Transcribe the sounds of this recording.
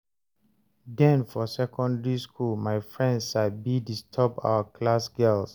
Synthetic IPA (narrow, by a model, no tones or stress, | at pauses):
dɛ̃nfɔsɛkʰɔ̃ndɛɹiskʰulmajfɹɛ̃ndʃabidistʰɔba̰wəkʰlasɡɛls